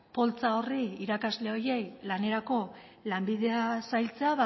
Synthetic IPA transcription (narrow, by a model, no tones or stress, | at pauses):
po̞lt͡sao̞riiɾakazle̞o̞je̞jlane̞ɾako̞ | lambiðe̞asajlt͡se̞aβa